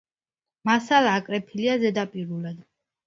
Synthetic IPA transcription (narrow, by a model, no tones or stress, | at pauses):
masalaːkʼɾɛpʰiliazɛd̪apʼiɾulɛd̪